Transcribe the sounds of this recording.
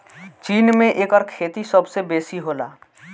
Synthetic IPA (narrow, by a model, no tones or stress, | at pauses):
t͡ʃiːnmẽʔeːkəɾkʰeːt̪isəbsebeːsiɦoːla̰ː